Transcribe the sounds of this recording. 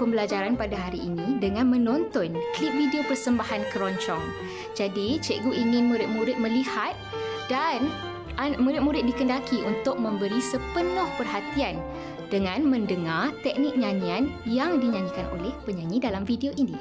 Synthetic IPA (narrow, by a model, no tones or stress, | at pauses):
pəmbəlad͡ʒaɾanpadaɦaɾiːnĩdəŋãnmə̃nɔ̃nt̪ɔnklip̚vidiopərsəmbahankəɾɔɲt͡ʃɔŋ | d͡ʒadit͡ʃɛʔɡuʔiŋɪ̃nmũɾɪt̪̚mũɾɪt̪̚mə̃lihat̪̚ | dan | amũɾɪt̪̚muɾɪt̪̚dikəndakʰiʔunt̪ʊk̚mə̃mbəɾisəpənʊhpərɦat̪ian | d̥əŋãnmə̃ndəŋart̪ɛk̚nɪk̚ɲãɲianjaŋdiɲãɲikanʔo̰lɛhpəɲãɲĩdalamfidioʔinĩ